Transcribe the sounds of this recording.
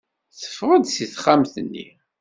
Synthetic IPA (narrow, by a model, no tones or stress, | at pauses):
θə̥fːʁəd̪siθχamθənːḭ